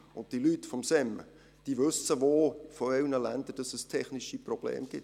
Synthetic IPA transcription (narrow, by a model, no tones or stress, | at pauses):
ʊnt̚d̥ilytːfɔmsɛm | d̥iːʋɵsəʋoːfɔɪlnəlænd̪əɾd̥ɑsəstʰɛχnɪʃiprɔb̥lḛːmɡ̥ɪt